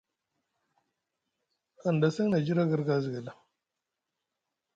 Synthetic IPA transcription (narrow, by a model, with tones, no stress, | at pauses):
a˨nda˨si˦na˨d͡ʒi˦ɾa˦ɡə˦ɾɡa˦zi˨ɡə˨la˨